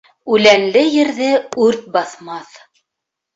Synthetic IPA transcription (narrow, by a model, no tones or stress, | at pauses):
ʉlænlɘjɘ̆ɾðɘʉɾt̪̚bɑθmɑθ